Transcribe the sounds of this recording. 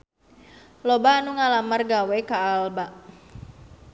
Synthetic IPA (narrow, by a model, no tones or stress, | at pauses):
lobaːnuŋalamarɡawekaːlbaʔ